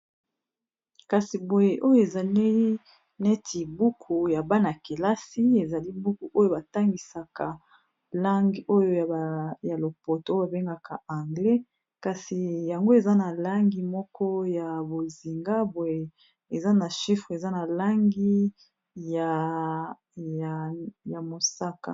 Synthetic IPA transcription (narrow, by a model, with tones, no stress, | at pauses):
ka˨si˨bo˨je˨ʔo˦jo˦e˨za˨li˦ | ne˦tʰi˨bu˦kʰu˨ja˨ba˦na˨ki˨la˦si˦e˨za˨li˦bu˦ku˨ʔo˦jo˦˨ba˨ta˦ŋɡi˨sa˨ka˨ | la˦ŋɡi˦o˦jo˦˨ja˨lo˨po˨to˦ba˨be˦ŋɡa˨kʰa˨a˨ŋɡlɛ˦ | ka˨si˨ja˨ŋɡo˦e˨za˦na˨la˦ŋɡi˦mɔ˦kʰɔ˦ja˨bo˨zi˨ŋɡa˦bɔ˨e˨ | e˨za˦na˨ʃi˦fʁe˨za˦na˨la˦ŋɡi˦ | ja˨ | ja˨mo˨sa˦ka̰˨